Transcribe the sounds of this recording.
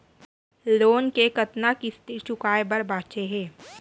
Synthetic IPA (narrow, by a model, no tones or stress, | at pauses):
loːnkekɐt̪nakist̪iɾt͡ʃʊkaːebɐɾbaːt͡ʃeɦɛ̃ː